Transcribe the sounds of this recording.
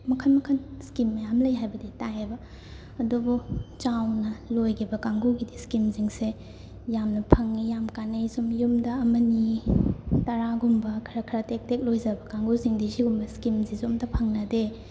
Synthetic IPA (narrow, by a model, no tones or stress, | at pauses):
mɐkʰɐnmɐkʰɐnskimːɐjamlɐjɦajbɐditajebɐ | ɐdubut͡ʃawnɐlojɡʰibɐkaŋɡuɡidiskimziŋse | jamnɐpʰɐŋnijamkanːejsumjumdɐɐmɐni | tɐɾaɡumbɐkʰɐɾɐkʰɐɾatek̚tek̚lojzɐbɐkaŋɡuziŋdisiɡumbɐskimzizomdɐpʰɐŋnɐde